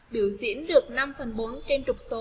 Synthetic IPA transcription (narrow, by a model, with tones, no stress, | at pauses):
ɓi˧˩əwzḭ˧˥ənɗɨ˨˩ək̚na˧mfə˨˩nɓo˨˦nt͡ɕe˧nt͡ɕʊ˨˩k͡p̚so˨˦